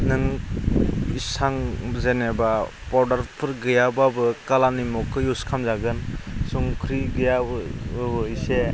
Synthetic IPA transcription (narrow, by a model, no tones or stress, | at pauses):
nɯŋ | isaŋzenebapɔɾdaɾpʰɯɾɡɯjababɯkalanimɔkʰːɯjuskʰamzaɡɯnsuŋkʰɾiɡɯjabbɯise